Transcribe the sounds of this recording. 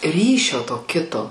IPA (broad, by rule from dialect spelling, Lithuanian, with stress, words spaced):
ˈrʲiːʃʲoː toː ˈkʲɪtoː